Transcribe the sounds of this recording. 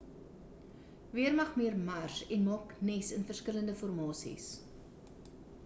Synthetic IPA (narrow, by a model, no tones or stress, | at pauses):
viərmɐχmiərmɐrsɛnmɑːknɛsənfərskələndəfɔrmɑːsḭs